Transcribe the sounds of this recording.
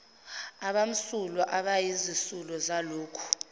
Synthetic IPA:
aɓam̩sulɔʔaɓajizisulɔzaloːkʰu̥

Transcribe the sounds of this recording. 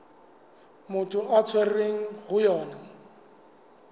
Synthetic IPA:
mʊtʰʼʊʔat͡sʰwɛrreŋ̩ɣʊjɔːna

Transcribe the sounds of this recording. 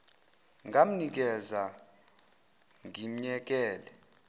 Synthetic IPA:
ŋʱam̩nik̬ɛza | ŋim̩ɲɛk̬ɛːlɛ

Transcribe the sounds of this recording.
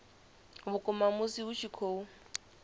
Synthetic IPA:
bʊkʼʊmamʊsiʊʃʰikʰoːu

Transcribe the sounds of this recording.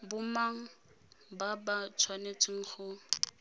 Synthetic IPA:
bʊmaŋ̩ | babat͡sʰwanet͡sʰʼɪŋ̩χʊ

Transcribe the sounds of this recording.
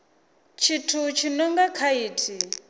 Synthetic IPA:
t͡ʃʰitʰut͡ʃʰinɔŋɡakʰaiːtʰi

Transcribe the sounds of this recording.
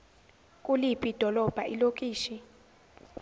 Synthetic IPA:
kʼulipʼid̥ʱɔlɔb̥ʱaʔilok̬ʼiːʃi

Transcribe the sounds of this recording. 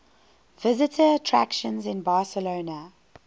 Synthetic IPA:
vɪzɪtʰəːtʰɹ̥æ̰kʃə̃nzɪ̃nbɑːˑsəloʊnə

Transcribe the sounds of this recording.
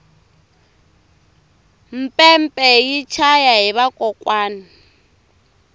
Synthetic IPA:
m̩pʼɛm̩pʼɛjit͡ʃʰajaɦiβakʼɔkʼwaːni

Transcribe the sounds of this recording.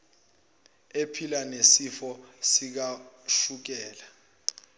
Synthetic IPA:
epʰilanesifɔsik̬aʃuk̬ɛːla

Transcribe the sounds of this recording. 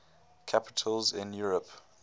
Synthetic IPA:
kʰapɪ̥tʰəlzɪ̃njuːɹəp

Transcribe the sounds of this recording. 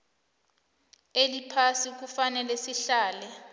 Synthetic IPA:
elipʰasik̬ufanɛlɛsiɬaːlɛ

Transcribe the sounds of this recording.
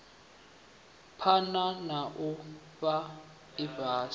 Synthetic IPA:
pʰananaʔʊ | ba | ɪbaːs

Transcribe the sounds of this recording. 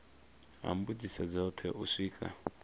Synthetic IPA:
a̰m̩bud͡zisad͡zautʰɛʔusikʼa̰

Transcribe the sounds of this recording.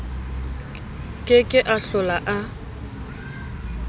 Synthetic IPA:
kʼɪkʼɪʔaɬʊlaʔa

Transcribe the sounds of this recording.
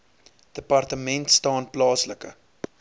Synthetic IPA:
d̥əpɐrtəmɛntstɑːnplɑːsləkə̰

